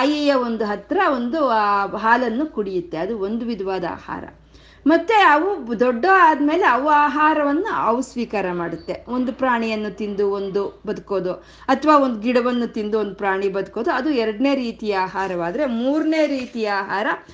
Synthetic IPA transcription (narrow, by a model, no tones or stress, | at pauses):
aːjijɐo̞nd̪uɦɐt̪ɾɐo̞nd̪uɦaːlɐnːukuɽijut̪ːe̞ɐd̪uo̞nd̪uʋid̪ʱʋaːd̪ɐa̰ːha̰ːɾɐ̰ | mɐt̪ːeɐʋud̪ɔɖːɐaːd̪ɐme̞ːle̞ɐʋaːɦaːɾɐʋɐnːuɐʋusʋiːkaːɾɐmaːɽut̪ːe̞o̞nd̪upɾaːɳijɐnːut̪ind̪uond̪ubɐd̪ɐko̞ːd̪u | ɐt̪ʰɐʋaːond̪uɡiɽɐʋɐnːut̪ind̪uond̪upɾaːɳibɐd̪uko̞ːd̪uɐd̪uɛɾɐɖne̞ːɾiːt̪ijɐaːɦaːɾɐʋaːd̪ɐɾemuːɾne̞ːɾiːt̪ijɐaːɦaːɾɐ